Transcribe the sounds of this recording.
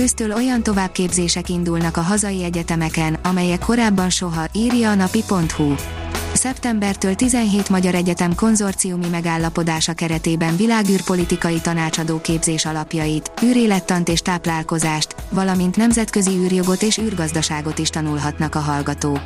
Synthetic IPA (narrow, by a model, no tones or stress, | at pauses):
øːst̪øːlo̞jɒnt̪o̞vaːb̚keːbzeːʃɛkind̪ulnɒkɒɦɒzɒjiɛɟɛt̪ɛmɛkɛnɒmɛjɛkʰːo̞ɾaːbːɒnʃo̞ɦɒʔiːrjɒːnɒpipo̞nt̪husɛpt̪ɛmbɛrt̪øːlt̪izɛnɦeːt̪mɒɟɒɾɛɟɛt̪ɛmko̞nzo̞rt̪sijumimɛɡaːlːɒpo̞d̪aːʃɒkɛɾɛt̪eːbɛɱvilaːɡyːrpo̞lit̪ikɒjit̪ɒnaːt͡ʃɒd̪oːkeːbzeːʃɒlɒpjɒjit̪yːɾeːlɛt̪ːɒnt̪eːʃt̪aːplaːlko̞zaːʃt̪ʋɒlɒmint̪nɛmzɛt̪kø̞ziyːrjo̞ɡo̞t̪eːʃyːrɡɒzd̪ɒʃaːɡo̞t̪iʃt̪ɒnulɦɒt̪nɒkɒɦɒlɡɒt̪oːk